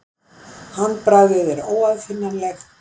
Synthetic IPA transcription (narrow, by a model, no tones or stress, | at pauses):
hanːpɾaɣðɪðɛɾoːwaðfɪnːaɾlɛx